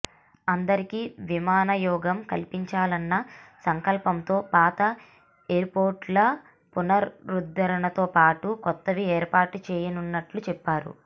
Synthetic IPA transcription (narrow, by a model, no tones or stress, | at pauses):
ɐnd̪ɐɾikiʋimaːnɐjɔːɡɐmkɐlpiɲt͡ʃaːlɐnːɐsɐŋkɐlpɐmt̪o̞ːpaːt̪ɐ | eːɾpo̞ːɾʈlɐ | punɐɾːud̪ːɐɾɐɳɐt̪o̞ːpaːʈukɔt̪ːɐʋieːɾpaːʈut͡ʃɛːjɐnunːɐʈlut͡ʃɛpːaːɾṵ